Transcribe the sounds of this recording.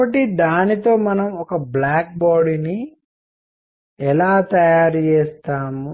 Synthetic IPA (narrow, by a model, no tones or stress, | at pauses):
ɐʈ̬ːid̪aːnit̪o̞ːmɐnɐmɔkɐblaːk̚baːɽini | ɛlaːt̪ɐjaːɾt͡ʃɛːst̪aːmu